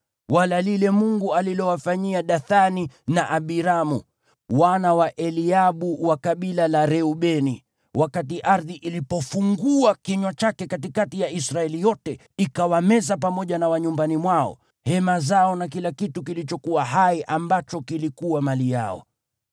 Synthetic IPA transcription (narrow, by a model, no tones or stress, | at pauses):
walalilɛmuŋɡualilɔwafaɲiaɗaθaninaʔaɓiɾamu | wanawaʔɛliaɓuwakaɓilalaɾɛuɓɛni | wʔakatiʔaɾðiʔilipɔfuŋɡuakiɲwat͡ʃakɛkatikatijaisɾaɛlijɔtɛ | ikawamɛzap̬amɔʄanawaɲumbanimwaɔ̰ | hɛmazaɔnakilakitukilit͡ʃɔkuwaɦaiʔambat͡ʃɔkilikuwamalija̰ɔ̰